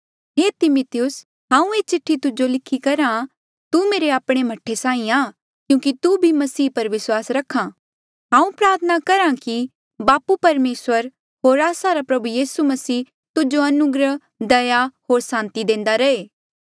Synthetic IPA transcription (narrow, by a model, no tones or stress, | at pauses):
ɦeːt̪ɪmʊt̪ɪjʊs | ɦãːũeːt͡ʃɪʈʰːit̪ʊd͡ʒolɪkʰːikɐɾã | t̪umeːɾeaːpɽ̃em̤ɐʈʰːesãːĩaː | kjũːkit̪ubʱimɐsiːpɐɾʋɪswaːsɾɐkʰːã | ɦãːũpɾaːɾt̪ʰənakɐɾãki | baːpupɐɾmeːswəɾ | ɦoːɾaːsaɾapɾɐbujiːsumɐsiː | t̪ʊd͡ʒoɐnʊɡɾə | d̪ɐjahoːɾsãːnt̪id̪ẽːnd̪aɾɐeː